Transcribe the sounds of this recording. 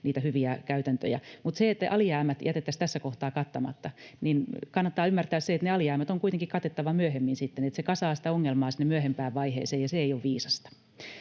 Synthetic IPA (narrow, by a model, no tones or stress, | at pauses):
niːt̪æhyʋiækæyt̪ænt̪ø̰jæ̰mut̪seet̪ːʔɑliæːmæt̪jæt̪et̪ːæst̪æsːækoht̪ɑːkɑt̪ːɑmɑ̰t̪ːɑninkɑnːɑt̪ːɑːymːært̪æːsseet̪neɑliæːmæt̪oŋkuit̪eŋkikɑt̪et̪ːɑʋɑmyøhemːinsit̪ːenet̪sekɑsɑːsi̥t̪æoŋːelmɑːsinːemyøhempæːʋʋɑihḛːseːjɑseeijoʋʋiːsɑst̪ɑ̥